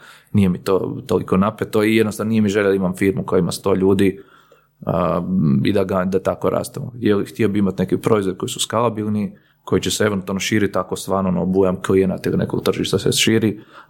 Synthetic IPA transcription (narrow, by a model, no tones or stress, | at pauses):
nije̞mit̪o̰t̪oliko̞napet̪oijed̪nost̪anonijemiʒeʎad̪aimamfiːɾmukojaima̰st̪o̞ːʎuːd̪i | əḭd̪aɡad̪at̪ako̞ɾa̰ːst̪emo̰jelxt̪iobiimat̪nekipɾo̞izoɾʲko̞jisu̥skalˠabilˠni | ko̞jit͡ɕeseeʋent̪alnoʃiːɾit̪akost̪ʋaːɾnonobujamklienat̪eɡneko̰ɡt̪r̩ʒiʃt̪aseʃiːɾi